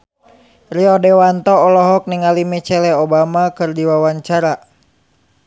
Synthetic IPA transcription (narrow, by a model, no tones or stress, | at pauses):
riɔdɛwant̪ɔːlɔɦɔk̚niŋalimɛt͡ʃɛlɛɔbamakɨrdiwawaɲt͡ʃaɾa